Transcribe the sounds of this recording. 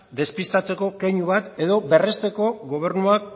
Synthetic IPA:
d̪e̞spist̪at͡se̞ko̞kejɲuβat̪e̞ðo̞be̞re̞st̪e̞ko̞ɡo̞β̞e̞ɾnuak̚

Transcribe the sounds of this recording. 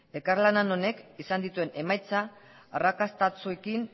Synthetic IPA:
e̞kaɾlanano̞ne̞kisand̪it̪ue̞ne̞majt͡saː | rakast̪at͡sue̞kin

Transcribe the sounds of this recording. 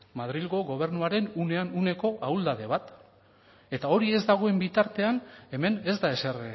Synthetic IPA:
mað̞ɾilɣo̞ɣo̞β̞e̞ɾnuaɾe̞nune̞anune̞ko̞ʔawld̪aðe̞β̞at̪ | e̞t̪ao̞ɾie̞zd̪aɣ̞o̞e̞mbit̪aɾt̪e̞ane̞me̞ne̞zd̪ae̞ser

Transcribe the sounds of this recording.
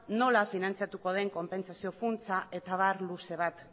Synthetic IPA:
no̞lafinant͡siat̪uko̞ðe̞ŋko̞mpe̞nsasio̞funt͡saʔe̞t̪aβaɾluse̞β̞at̪

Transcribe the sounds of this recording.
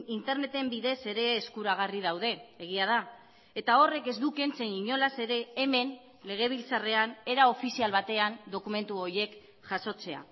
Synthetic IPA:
int̪e̞ɾne̞t̪e̞mbiðe̞se̞ɾe̞ːskuɾaɣ̞arið̞awð̞e̞ːɣ̞iað̞a | et̪ao̞re̞ke̞zd̪uke̞nt͡se̞niɲo̞lase̞ɾe̞ːme̞n | le̞ɣ̞e̞β̞ilt͡sare̞ane̞ɾao̞fisialβat̪e̞and̪o̞kume̞nt̪uo̞je̞k | ʝaso̞t͡se̞a̰

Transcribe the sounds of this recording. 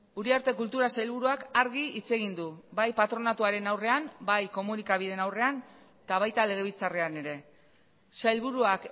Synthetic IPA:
uɾiaɾt̪e̞kult̪uɾasajlβuɾuakaɾɣiit͡se̞ɣ̞ind̪ubajpat̪ɾo̞nat̪uaɾe̞nawre̞ambajko̞munikaβið̞e̞nawre̞an | t̪aβ̞ajt̪ale̞ɣ̞e̞β̞it͡sareane̞ɾe̞ | sajlβuɾuak

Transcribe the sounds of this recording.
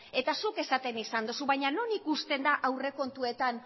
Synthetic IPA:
e̞t̪asuke̞sat̪e̞nisand̪osuβajɲano̞nikust̪e̞nd̪aʔawre̞ko̞nt̪ue̞t̪an

